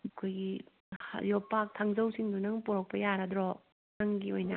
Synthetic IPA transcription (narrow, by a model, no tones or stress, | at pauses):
ɐkʰojɡi | hjɔpak̚tʰaŋzɐwsiŋd̪unɐŋpuɾɐk̚pɐjaɾɐdɾɔ | naŋɡiojnɐ